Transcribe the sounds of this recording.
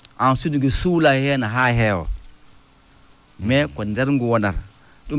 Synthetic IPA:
ansuduɡisulahenaɦaɦewo̰ | mekondeɾŋɡuwona̰ɾ | ɗu

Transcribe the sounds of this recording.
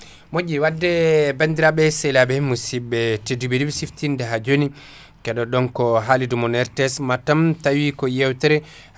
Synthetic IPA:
mod͡ʒiwadːɛbandiɾaɓɛsɛjlabɛhimːusibɛtedubedibisiftindɛɦad͡ʒoni | kɛɗɔɗɔnkɔɦalidumɔnɛɾtɛsmatamtawikɔjɛwtɛɾɛ

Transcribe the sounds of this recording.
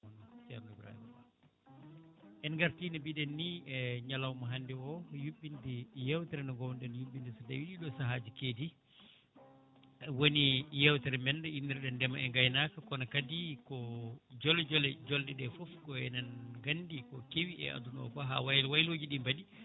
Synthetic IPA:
ɔntɛɾnibɾa̰hḭm | ʔɛnɡaɾtiːnabiɗɛnːiɛɲalawmaɦandɛwɔjuɓːindijɛwtɛɾɛnɔɡɔwnɗɛnjuɓindisadawiɗiɗɔsaɦad͡ʒikeːdi | wonijɛwtɛɾɛmɛndɛindiɾɛɗɛndɛmaɛŋɡajnakakɔnakadikɔd͡ʒɔlɛd͡ʒɔlɛd͡ʒɔldɛɗɛfɔfkɔɛnanɡandikɔkewiɛ̰ʔa̰dunɔ̰faɦa̰wajwajloːd͡ʒiɗimbaɗi

